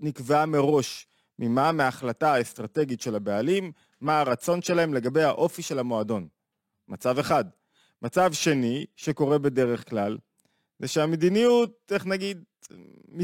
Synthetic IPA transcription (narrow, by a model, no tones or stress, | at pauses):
nikvame̞ʁo̞ʃ | mimameːχlataaest̪ʁate̞ɡitʃe̞labealimː | aːʁat͡so̞nʃe̞lae̞mle̞ɡabe̞jhaʔo̞fiʃe̞lamo̞ado̞n | mat͡save̞χad | mat͡savʃe̞niʃe̞ko̞ʁe̞be̞de̞ʁe̞χklal | zeʃeamed̪inijut̚e̞χnaɡid̪ | mi